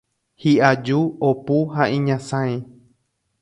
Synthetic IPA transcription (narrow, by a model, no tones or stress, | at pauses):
hiʔad͡ʒuopuɦaʔĩɲãsãẽ